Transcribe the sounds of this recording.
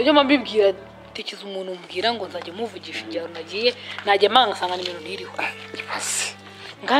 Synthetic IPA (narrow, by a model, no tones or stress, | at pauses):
ɔd͡ʒɔmambimɡiɾa | tɛt͡ʃizumunumɡiɾaŋɡɔnzad͡ʒɛmuvud͡ʒifid͡ʒaɾunad͡ʒijɛnad͡ʒɛmaaŋɡasaŋɡanimɛnuniɾikɔd͡ʒipasi̥ | ŋɡa